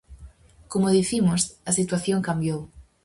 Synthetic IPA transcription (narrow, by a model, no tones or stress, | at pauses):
komoðiθimʊsɐsit̪waθjoŋkambjow